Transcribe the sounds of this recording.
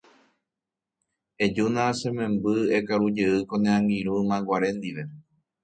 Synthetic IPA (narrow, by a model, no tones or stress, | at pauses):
ed͡ʒunãsẽmẽ̞mbɨekaɾud͡ʒeɨkõnẽãŋɡiɾumãɡʷaɾẽ̞nd̪iʋe̞